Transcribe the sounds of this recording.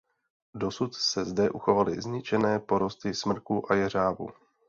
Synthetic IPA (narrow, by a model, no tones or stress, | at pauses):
do̞sut̪sɛzdɛʔuxo̞valɪ̰zɲɪt͡ʃɛnɛːpo̞ɾo̞st̪ɪsmn̩kuʔajɛr̝aːvṵ